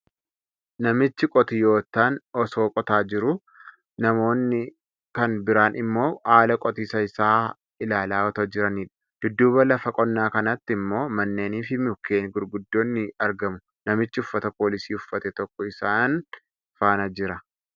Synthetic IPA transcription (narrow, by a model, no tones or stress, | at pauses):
nɐmɪt͡ʃːɪkʼɔt̪ɪjo̞ːt̪ːaːnɔso̞ːkʼɔt̪aːd͡ʒɪɾʊ | nɐmo̞ːnːɪ | kɐnbɪɾaːnʔɪmːo̞ːaːlɐkʼɔt̪iːsɐɪsaː | ɪlaːlaːɔt̪ɐd͡ʒɪɾɐniːᶑɐ̥ | d̪̥ʊd̪ːuːbɐlɐfɐkʼɔnːaːkɐnɐt̪ːɪmːo̞ːmɐnːe̞ːniːfɪmɪʊkeːnɡʊɾɡʊd̪ːo̞ːnːɪɐɾɡɐmʊ | nɐmɪt͡ʃːɪʊfːɐt̪ɐpo̞ːlɪsiːʊfːɐt̪ɛt̪ɔkːɔɪsaːn | faːnɐd͡ʒɪɾɐ